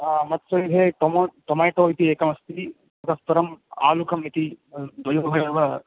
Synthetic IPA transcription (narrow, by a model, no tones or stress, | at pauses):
mɐt̪sɐieʈomoʈomajʈoːjt̪ieːkɐmɐst̪i | pɐt̪ɐspɐɾɐma̰ːlukʰɐmit̪id̪ʋɐjubɐjɐʋɐ